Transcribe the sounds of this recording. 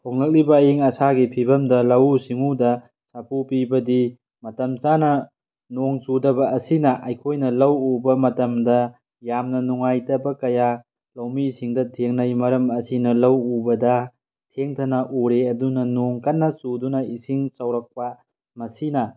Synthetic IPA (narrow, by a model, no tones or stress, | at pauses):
hʰoŋlɐk̚libɐːjiŋɐsaɡipʰibɐmdɐlɐwsiŋudɐ | sapʰupibɐdi | mɐtɐmt͡ʃanɐ | noŋt͡ʃudɐbɐːsinɐʔɐjkʰojnɐlɐwubɐmɐtɐmdɐ | jamnɐnuŋajtɐbɐkɐja | lɐwmisiŋdɐtʰeŋnɐjmɐɾɐmɐsinɐlɐwubɐdɐ | tʰeŋtʰɐnɐʔuɾeɐdunɐnoŋkɐnːɐsudunɐisiŋt͡ʃɐwɾɐk̚pa | mɐsinɐ